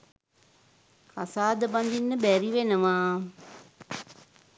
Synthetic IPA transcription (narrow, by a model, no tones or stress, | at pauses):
kasaːd̪əband̪inːəbæɾiʋenəʋaː